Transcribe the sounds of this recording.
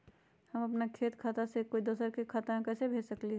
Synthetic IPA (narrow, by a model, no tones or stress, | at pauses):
hɐmɐpnakʰeːt̪kʰat̪asekoid̪oːsəɾkekʰaːt̪amẽkɛːsebʱeːd͡ʒsəkliɦɛ